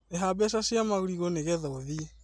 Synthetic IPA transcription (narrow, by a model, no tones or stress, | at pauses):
eɦabɛsasjamaɣuɾiɣoneɣɛðaoðiɛ